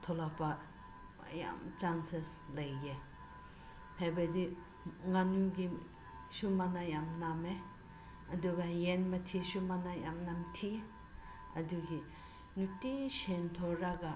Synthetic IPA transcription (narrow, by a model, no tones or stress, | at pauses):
t̪ʰɔlapa | a̰ja̰mt͡ʃanseslajɡe | hajbadi | ŋanuɡi | ʃumanajamname | ɐduɡajenmatʰiʃumanaja̰mnamtʰi | ɐduɡi | nutiʃentʰɔɾaɡa